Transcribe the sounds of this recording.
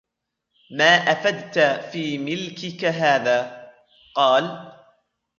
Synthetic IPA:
maːʔafad̪t̪afiːmɪlkɪkaɦaːðaː | qɑːl

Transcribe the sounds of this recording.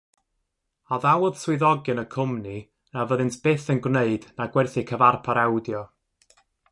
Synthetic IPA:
aðawʊð̥swɪðɔɡɨnəkʰʊmni | navəðɨntʰb̥eθənɡwneɨdnaɡwɛrθikʰəvarpʰaɾawdjɔ

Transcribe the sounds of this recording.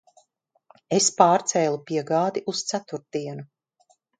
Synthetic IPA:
espaːɾt̪sɛːlˠupiɛɡaːd̪iʔust̪sæt̪uɾt̪̚iɛnu

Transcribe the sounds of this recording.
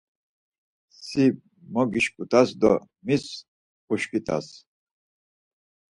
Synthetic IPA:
si | mɔɡiʃkʼut̪ʰʼasd̪ɔ | mis | uʃkʼit̪ʰʼa̰s

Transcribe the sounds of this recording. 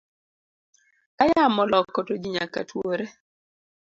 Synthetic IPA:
ajamɔlɔkːɔtod͡ʒiɲaka̰tʰwoɾe

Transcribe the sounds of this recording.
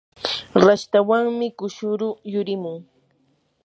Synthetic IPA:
ɾaʃt̪awaŋmɪkʊʃʊɾʊjʊɾɪmʊŋ

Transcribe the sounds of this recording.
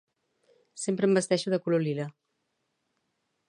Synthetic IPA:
sempɾəmbəst̪ɛʃuðəkulolilə

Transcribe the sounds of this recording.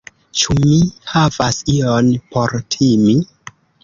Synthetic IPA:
t͡ʃumihavasionpʰo̞ɾtʰimi

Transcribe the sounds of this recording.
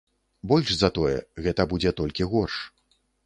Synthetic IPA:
bɔlʲʂzɐt̪ɔjɛ̰ɣɛt̪ɐbud͡zʲɛt̪ɔlʲkʲiɣɔrʂ

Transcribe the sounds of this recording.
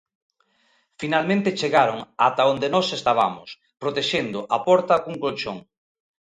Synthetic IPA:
finalmẽnt̪et͡ʃeɣaɾoŋat̪aond̪enɔsest̪aβ̞a̰mʊ̰s | pɾot̪eʃend̪ʊʔapɔɾt̪ɐkuŋkolt͡ʃoŋ

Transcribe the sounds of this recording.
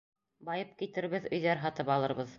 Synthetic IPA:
bɑjɤp̚kit̪ɘ̆ɾβɘðɵ̆jðæɾɦɑt̪ɤpɑlˠɤ̆ɾβɤð

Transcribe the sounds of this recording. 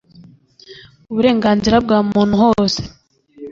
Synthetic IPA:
uβuɾe̞ːŋɡaːnziɾab̚ɡaːumuːn̥huhoːse

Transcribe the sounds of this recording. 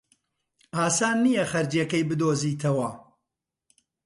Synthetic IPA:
aːsaːnːijɐχɐɾd͡ʒjekɐjbɨd̪oːziːt̪ʰɐwɐ

